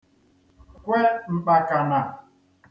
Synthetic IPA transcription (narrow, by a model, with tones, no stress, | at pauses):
kʷwe˦ŋ͡m̩˨k͡pa˨ka˨na˨